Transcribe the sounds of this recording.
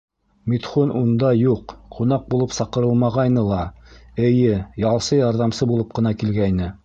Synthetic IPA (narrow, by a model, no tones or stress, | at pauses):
mit̪χonʔund̪ɑjuqqʰunɑq̚bulˠɤpsɑqɤ̆ɾɤlˠmɑʁɑjnɤlˠɑɘ̆jɘjɑlˠsɤjɑɾðɑmsɤbulˠɤp̚qɤ̆nɑkilɡæjnɘ